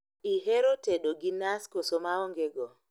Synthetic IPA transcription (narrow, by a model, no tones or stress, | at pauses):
ʔiɦeɾotɛɗɔɡinaskɔsɔmaɔŋɡɛɡɔ